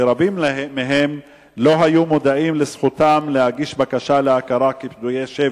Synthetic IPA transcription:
eɾabimːeɦem | lo̞ɦajumod̪aʔimlesχut̪amlehaɡiʃbakaʃaleakaɾakepd̪ujeʃe

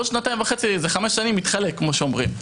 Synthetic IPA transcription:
ʃnataimvaχe̞t͡sizeχameʃːanimːit̪χalekːmoʃeomʁim

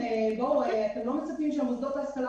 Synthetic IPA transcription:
eboweat̪emlomet͡sapimʃeamozd̪ot̪aːskala

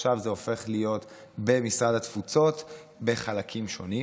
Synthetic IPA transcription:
ʃavzeo̞fe̞χlijo̞tbe̞misʁadhat̪fut͡so̞t | be̞χalakʰimʃo̞ni

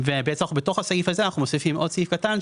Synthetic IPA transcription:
vebetseaaχubetoχhasaifhazeanaχumosifimʔo̞dsaifkatan

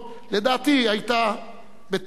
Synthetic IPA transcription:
ledaːt̪iajt̪a | bet̪

